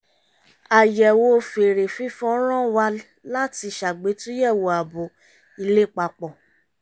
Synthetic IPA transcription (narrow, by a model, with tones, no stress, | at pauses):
a˨jɛ˨wo˧˦˧fe˨ɾe˨fĩ˦fɔ̃˦ɾ̃ã˦wa˧˦ | la˦ti˧ʃa˨ɡ͡be˨˦tũ˦jɛ˦˨wo˨a˨bo˨ | i˧le˦˨k͡pa˧k͡pɔ˨